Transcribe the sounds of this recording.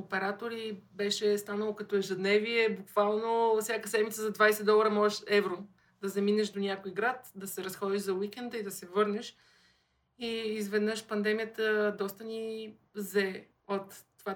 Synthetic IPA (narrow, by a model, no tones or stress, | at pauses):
opɛɾat̪oɾibɛʃɛst̪anəlˠokɐt̪ɔɛʒɛd̪nɛviɛbukv̥alˠnofsʲjakəsɛd̪mit̪səzɐd̪vajsɛd̪ɔlˠɐɾəmɔʒɛʃɛvɾo | d̪ɐzɐminɛʃd̪onʲakojiɡɾat̪d̪ɐsɛɾɐsxɔd̪iʃzɐwikɛnd̪əid̪ɐsɛvɤɾnɛʃ | iːzvɛd̪nɤʃpɐnd̪ɛmijət̪əd̪ɔst̪ənʲi | zɛ | ot̪ːova